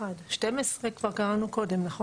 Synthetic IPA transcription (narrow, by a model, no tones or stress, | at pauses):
adʃtemesʁekv̥aʁkaʁanuko̞demnaχo